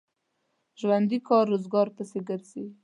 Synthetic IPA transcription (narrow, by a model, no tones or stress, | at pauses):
ʒwand̪ikɑɾːozɡɑɾpəseɡəɾzi